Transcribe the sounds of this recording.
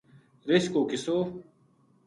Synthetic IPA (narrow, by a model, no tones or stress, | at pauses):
ɾeɕkoːkɪsoː